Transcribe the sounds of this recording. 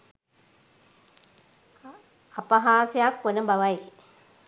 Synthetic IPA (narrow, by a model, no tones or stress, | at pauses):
apəɦaːsejakʋonəbaʋaj